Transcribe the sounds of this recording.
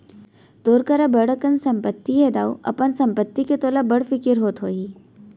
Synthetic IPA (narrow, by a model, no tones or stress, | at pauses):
t̪oːɾkɐɾabəɽ̤əkənsɐ̃mpət̪ːiɦed̪aːuʔɐ̰pənsɐ̃mpət̪ːiket̪oːlabɐɽfɪkɪɾɦoːt̪ɦoːiː